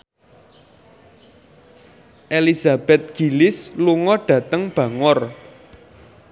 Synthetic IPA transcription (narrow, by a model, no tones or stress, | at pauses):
ʔelizab̥ɛt̪̚ɡ̥i̤lɪsluŋɔɖ̥ä̤t̪əŋb̥ä̤ŋɔr